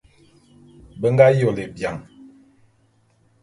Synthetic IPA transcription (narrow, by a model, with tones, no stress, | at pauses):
bə˦ŋɡa˦jo˨le˨bja˨ŋ